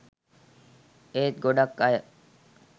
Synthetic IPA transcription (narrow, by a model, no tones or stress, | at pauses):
eːt̪̚ɡoɖakːaj